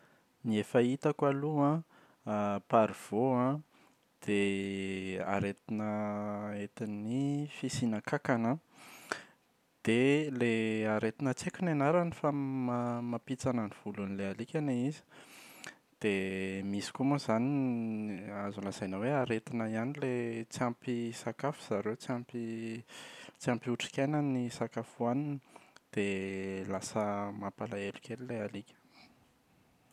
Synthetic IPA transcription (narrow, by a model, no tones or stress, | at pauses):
niefait̪akaluã | paɾiv̥oã | d̪̥e | a̰ɾet̪inəet̪inifisinakakana | d̪̥eleaɾet̪inət͡sekʲunanaɾanifamamapit͡sanəniv̥ulunilealikʲaneizi̥ | d̪̥emisi̥kumuzani | azulazajnəweaɾet̪inaianilet͡siampisakafu̥z̥aɾewt͡siampi | t͡siampiuʈ͡ʂi̥kʲajnanisakafuaninid̪̥elasəmapalaelukʲʰelilealikʲə̥